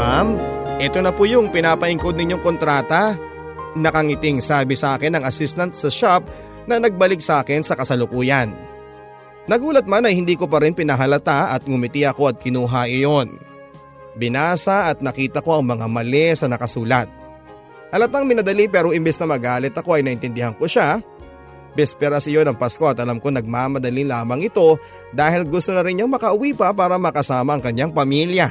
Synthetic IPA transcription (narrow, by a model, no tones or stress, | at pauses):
amʔɛt̪o̞nɐpujʊŋpɪnaːpɐʔɪŋko̞d̪nɪɲoŋko̞nt̪ɾaːt̪ɐ | nɐkɐŋɪt̪ɪŋsaːbɪsɐʔaːkɛnːɐŋɐsist̪ɐnt̪̚sɐʃap̚ | nɐnɐɡ̚bɐlɪk̚sɐʔaːkɪnsɐkɐsɐlʊkuːjɐn | nɐɡuːlɐt̪̚manɐjhɪnd̪iːko̞pɐɾɪnpɪnɐɦɐlɐt̪aʔɐt̪̚ɡʊmɪt̪ɪʔɐko̞ɐt̪̚kɪnuːɦaʔɪjo̞n | bɪnaːsɐʔɐt̪̚nɐkiːt̪ɐko̞ʔɐŋmɐŋamɐlɛsɐnɐkɐsuːlɐt̪̚ | hɐlɐt̪aŋmɪnɐd̪ɐlipɛːɾo̞ʔɪmbɛsnɐmɐɡaːlɪt̪ɐko̞ɐjnɐʔɪnt̪ɪnd̪ɪhaŋko̞ʃa | bɛspɛɾɐsɪjo̞nɐŋpasko̞ʔɐt̪ɐlɐmko̞nɐɡ̚mamɐd̪ɐlilaːmɐŋɪt̪o̞ | d̪aːhɪlɡʊst̪onɐɾɪnjoŋmɐkɐʔʊwiːpɐpaːɾɐmɐkɐsaːmɐʔːŋkɐɲaŋpɐmiljɐ